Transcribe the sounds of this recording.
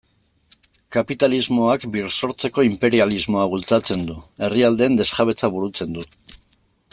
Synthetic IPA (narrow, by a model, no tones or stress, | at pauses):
kapit̪alizmo̞akbirso̞ɾt͡se̞ko̞impe̞ɾializmo̞aβ̞ult͡sat͡se̞nd̪ue̞riald̪e̞ːnd̪e̞sxaβe̞t͡saβ̞uɾut͡se̞nd̪u